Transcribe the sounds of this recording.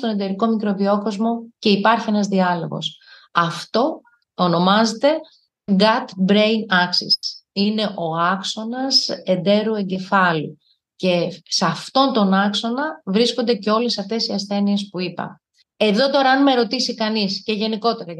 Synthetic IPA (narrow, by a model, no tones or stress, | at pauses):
t̪o̞ned̪e̞ɾiko̞mikɾovio̞ko̞zmo̞ce̞ipɐɾçie̞nɐzðiɐlo̞̰ɣo̞̰s | ɐft̪o̞ | ono̞mɐze̞t̪e̞ | ɡɐt̪bɾejnɐksḭine̞ʔo̞ɐkso̞nɐse̞nd̪e̞ɾue̞ɲɟe̞fɐlu | ce̞sɐft̪o̞nt̪o̞nɐkso̞nɐvɾisko̞nd̪e̞ce̞o̞lesɐft̪e̞siɐsθe̞nie̞spuipɐ̰ | e̞ðo̞t̪o̞ɾɐːnmeɾo̞t̪isikɐnisce̞ʝe̞niko̞t̪e̞ɾɐ